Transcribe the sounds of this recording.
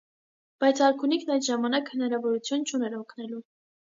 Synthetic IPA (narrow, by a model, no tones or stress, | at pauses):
b̥ɑjt͡sʰɑɾkʰunikʰnɑjt̪ʒɑmɑnɑkhənɑɾɑvɔɾut͡sʰjunt͡ʃʰunɛɾɔkʰnɛlu